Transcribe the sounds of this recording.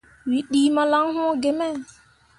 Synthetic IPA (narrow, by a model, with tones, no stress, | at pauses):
wi˨˦ɗiː˦ma˦la˦ŋɦũ˦ɡe˨mɛ˦˨